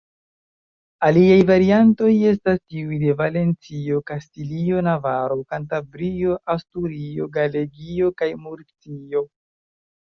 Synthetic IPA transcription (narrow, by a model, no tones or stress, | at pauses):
aliajvaɾianto̞je̞s̬tastiujde̞vale̞nt͡sio̞kastilio̞navaɾo̞kantabɾio̞ʔastuɾio̞ɡale̞ɡio̞kajmuɾt͡sio̞